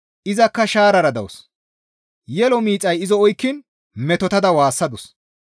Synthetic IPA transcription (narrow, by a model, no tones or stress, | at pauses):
ʔɪzɐkːɐʃaːɾɐɾɐd̪ɐwɔs | jɛlɔmiːt͡sʼːɐjɪzɔɔjkːɪn | mɛt̪ɔt̪ɐd̪ɐwaːsːɐd̪ɔs